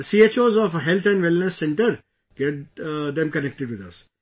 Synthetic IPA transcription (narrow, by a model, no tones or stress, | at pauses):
sieːt͡ʃoːzɔfɦɛlt̪ʰɛ̃ɳɖʋɛlnəsːɛ̃ɳʈəɾ | ɡ̥ɛʈ̚d̪ɛ̃mkənɛk̚ʈɪɖʋɪd̪ɐ̰s